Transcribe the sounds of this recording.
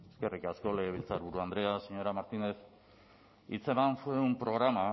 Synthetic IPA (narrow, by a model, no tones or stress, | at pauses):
eske̞rikasko̞leɣeβ̞ilt͡saɾβuɾuand̪ɾe̞aseɲo̞ɾamaɾt̪ine̞s | it͡semansueumpɾo̞ɣ̞ɾama